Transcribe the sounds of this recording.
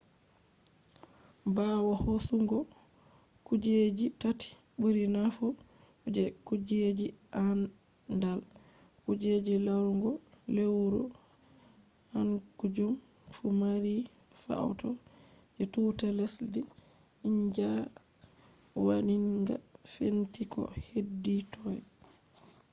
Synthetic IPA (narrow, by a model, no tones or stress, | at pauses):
bawɔhosuŋɡɔ | kud͡ʒed͡ʒitati̥ | buɾinafɔ | d͡ʒɛkud͡ʒed͡ʒi | ʔan | ndal | kud͡ʒed͡ʒilawŋɡɔ | lewɾɔ | hankud͡ʒum | fumaɾi | fa̰wtɔ | d͡ʒɛtuːtalesdi | iɲd͡ʒa | waniŋɡa̰ | fentikɔ̰hedːitʰɔj